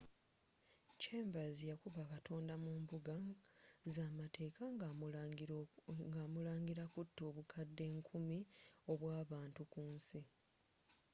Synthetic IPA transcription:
ceːmbazijakuβakatʰo̞ːndamuːmbuɡazaːmate̞ːkaŋ | ŋɡaːmulaːŋɡiɾakutːoːβukʰadːe̞ːŋkʰumio̞βwaːβaːntukuːnsi

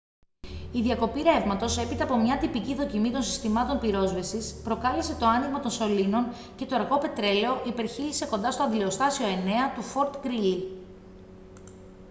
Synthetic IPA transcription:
iðjɐko̞piɾe̞vmɐt̪o̞se̞pit̪ɐːpo̞mɲɐt̪ipiciðo̞cimit̪o̞nsi̥st̪imɐt̪o̞npiɾo̞zvisispɾo̞kɐlese̞t̪o̞ɐniɣmɐt̪o̞nso̞lino̞n | ce̞t̪o̞ɾɣo̞pe̞t̪ɾe̞le̞o̞ʔipe̞ɾçilise̞ko̞nd̪ɐst̪o̞ɐðleost̪ɐsio̞e̞ne̞ɐt̪ufo̞ɾt̪ɡɾili

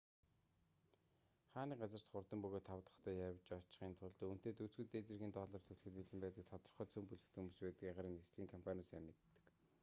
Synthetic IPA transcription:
χaːniːɢat͡sə̆r̥t̪χʊrt̪ə̆mpɵɣoːt̪ʰːawt̪ə̆χt̪ʰœːjawt͡ɕɔt͡ɕ̆χiːnt̪ʰʊɮt̪oun̥t̪eːt̪ɵt͡sɡɘ̆t̪eːt͡sɘ̆rɣʲiːnt̪ɔɮɔːrt̪ʰɵɮxɘ̆t̪̚piɮɘ̆mpæːt̪ə̆k̚t̪ʰɔt̪ɞ̆rχœːt͡sʰɵmpuɮɘ̆xt̪ʰɵmuspæːt̪ɘ̆kaʁaɾiːŋesɮiːŋkʰɔmpʰanʲʊsæmɪ̆t̪ːə̥̆k

